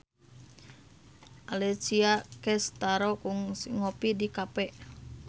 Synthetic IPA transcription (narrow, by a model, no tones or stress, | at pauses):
ʔalɛt͡ʃiakɛst̪aɾɔkuŋŋopidikapɛʔ